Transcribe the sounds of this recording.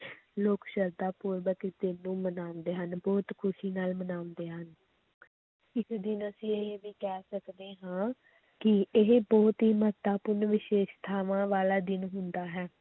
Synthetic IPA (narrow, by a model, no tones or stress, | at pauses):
loːkʃəɾd̪aːpʊːɾʋəkd̪ɪnːũːmənãːnd̪eːɦənbɔːt̪kʰʊʃiːnaːlmənaːʊnd̪eːɦən | ɪsd̪ɪnəsĩːeɦʋiːkɛːsəkd̪eːɦãː | kɪɪɦebɔːt̪ɦiːmət̪aːpʊɾnʋɪʃeːʃt̪ʰaːʋãːʋaːlaːd̪ɪnɦʊnd̪aːɦɛː